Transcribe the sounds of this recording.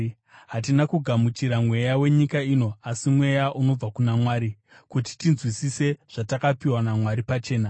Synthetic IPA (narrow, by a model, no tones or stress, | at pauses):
ɦat̬inakuɡʱamut͡ʃiɾamwe̞jawe̞ɲikaino̞asimwe̞jaʔuno̞b͡vakunamwaːɾi | kuti̥tinzwisise̞ʐ̥atakapiwanamwaɾipat͡ʃe̞ːna